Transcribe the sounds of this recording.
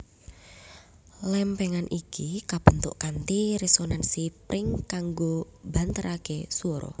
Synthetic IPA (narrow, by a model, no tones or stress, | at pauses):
lɛmpɛŋanʔikikab̥ə̤nt̪ʊʔkant̪iɾɛsɔnansipɾɪŋkaŋɡo | b̥ant̪əɾʔakesuɔɾɔ̰